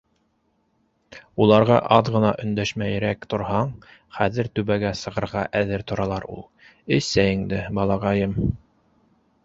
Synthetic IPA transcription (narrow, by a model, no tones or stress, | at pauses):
ulˠɑɾʁɑʔɑðʁɤ̆nɑʔɵ̆nd̪æʃmæjɾækt̪ŏɾhɑɴ | χæðɘɾt̪ʉβæɡæsɤ̆ʁɤ̆ɾʁɑʔæðɘɾt̪ŏɾɑlˠɑɾṵlˠ | ɘssæjɘŋd̪ɘbɑlˠɑʁɑjɤm